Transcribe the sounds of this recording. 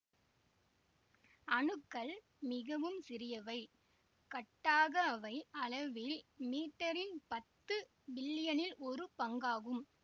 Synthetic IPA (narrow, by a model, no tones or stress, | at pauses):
ɐɳɯkːɐɭ | mɪɣɐʋɯmsɪɾɪjɐʋɐɪ | kɐʈːaːɣɐːʋɐɪɐlɐʋɪlmiːʈːɐɾɪnpɐt̪ːɯ | bɪlːɪjɐnɪlɔɾɯpɐŋɡaːɣɯm